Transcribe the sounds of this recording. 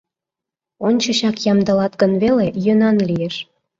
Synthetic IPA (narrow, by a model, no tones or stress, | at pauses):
onʲt͡ɕə̆ɕɑkjɑmd̪ə̆lɑt̪ɡənβelejønɑnlijeʃ